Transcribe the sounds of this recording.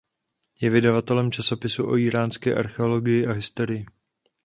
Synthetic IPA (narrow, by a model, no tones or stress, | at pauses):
jɛvɪdavat̪ɛlɛmt͡ʃaso̞pɪsuʔo̞̰iːɾaːnskɛ̰ːʔa̰ɾxɛo̞lo̞ɡɪjɪʔaɦɪst̪o̞ɾɪjɪ